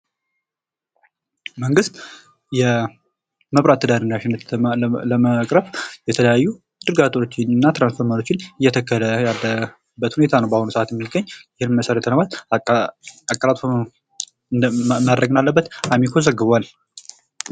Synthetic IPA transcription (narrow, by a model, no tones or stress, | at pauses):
məŋɡɨst̪ | jɛ | məβɾat̪ʰːəd̪aɾɨnːaʃɪnːət̪ləməkʼɾəfjɛt̪ʰələjajːu | d̪̥ɨɾɡat̪ʼot͡ʃːɪnnːat̪ɾansfo̞ɾmalo̞t͡ʃːɪnɨjːɛt̪ʰəkːələjalːə | bːət̪hune̞t̪ʰanəwbahonusəʔat̪jɛmːiɡːəɲːjɪhɨnməsəɾɛt̪ʰənəmat̪ | akʼːəɾat̪ʼf | mad̪ːəɡɨnalːəbːət̪amikʰozəɡːɨβal